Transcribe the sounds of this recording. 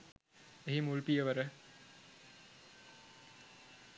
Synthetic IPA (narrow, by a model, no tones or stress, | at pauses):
eɦimuɭpijɐʋɐɾɐ